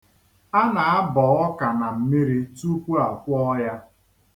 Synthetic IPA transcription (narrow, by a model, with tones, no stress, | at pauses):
a˦na˨a˦bɔ˨ɔ˦ka˨na˨m̩˦mi˦ɾi˦tu˦kʷu˦a˨kʷɔ˦ja˦